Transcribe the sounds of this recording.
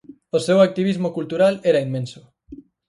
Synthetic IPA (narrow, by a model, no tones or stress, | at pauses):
osewak̚t̪iβizmokult̪uɾalɛɾaimmẽnsʊ